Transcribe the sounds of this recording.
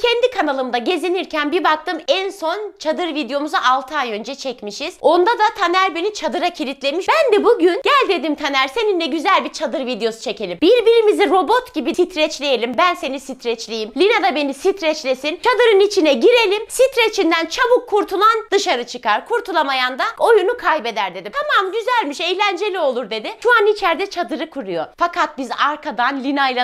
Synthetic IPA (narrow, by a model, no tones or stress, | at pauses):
cʰɛnd̪ikʰanalˠɯmd̪aɟe̞ziniɾcʰænbibak̚t̪ɯmɛnso̞nt͡ʃʰad̪ɯɾvid̪ejo̞muzaʔalˠt̪ʰaːjø̞nd͡ʒɛt͡ʃʰɛcmiʃiz̥o̞nd̪ad̪at̪ʰanæɾbenit͡ʃʰad̪ɯɾacʰilʲit̪ʰlʲe̞miʃbænd̪ɛbuɟynɟælʲd̪e̞d̪imt̪ʰanæɾse̞ninlɛɟyzælʲbiɾt͡ʃʰad̪ɯɾvid̪ejo̞su̥t͡ʃʰe̞cʰe̞lʲimbiɾbiɾimiziɾo̞bo̞t̪ɟibisit̪ʰɾɛt͡ʃlʲejelʲimbænse̞nisit̪ʰɾɛt͡ʃlʲejimlʲinad̪abe̞nisit̪ɾɛt͡ʃlʲe̞sint͡ʃʰad̪ɯɾɯnit͡ʃʰinɛɟiɾe̞lʲimsit̪ɾet͡ʃʰind̪ænt͡ʃʰabukʰːuɾt̪ʰulˠand̪ɯʃaɾɯt͡ʃʰɯkaɾkʰuɾt̪ʰulˠamajand̪ao̞junukʰajbed̪æɾd̪e̞d̪it̪ʰamamɟyzælʲmiʃɛjlʲænd͡ʒe̞lʲio̞lˠuɾd̪e̞d̪ɪʃuanit͡ʃʰæɾd̪ɛt͡ʃʰad̪ɯɾɯkʰuɾujofakʰat̪̚bizaɾkʰad̪anlʲinajlˠa